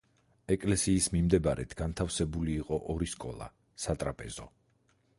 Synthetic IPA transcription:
ɛkʼlɛsiːsmimd̪ɛbaɾɛ̰t̪ʰɡant̪ʰafsɛbuliːqʼɔʔɔɾiskʼɔ̰lˠa̰ | sat̪ʼɾapʼɛzɔ

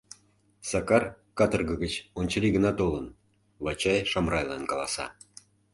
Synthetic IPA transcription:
sɑkɑr | kɑt̪ərɣəɣət͡ɕonʲt͡ɕəlʲiɣənɑt̪olən | βɑt͡ɕɑjʃɑmrɑjlɑnkɑlˠɑsɑ̰

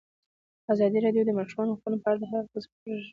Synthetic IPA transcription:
azɑd̪iɾɑɖjod̪əmaʃɾmɑnoxənopəaɽad̪əɦaəz | ɾ

